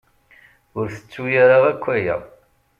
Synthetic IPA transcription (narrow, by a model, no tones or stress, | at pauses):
ʊɾθə̥t͡sːujaɾaʁækʷːæjæ̰